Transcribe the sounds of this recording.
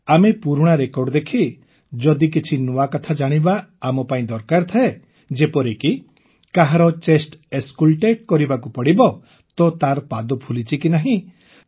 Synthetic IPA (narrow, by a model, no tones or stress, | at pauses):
amepuɾɽ̃aɾekɔɾɖɔd̪ekʰi | d͡ʒɔd̪ik̬it͡ʃʰinuakɔt̪ʰad͡ʒaɽ̃ibaːmɔpaĩd̪ɔɾkaɾt̪ʰae | d͡ʒepɔɾeki | kaɦaɾɔt͡ʃesʈeskulʈeʈ̚kɔɾibakupɔɽibɔ | t̪ɔt̪aɾɔpad̪ɔpʰulit͡ʃikinaɦĩ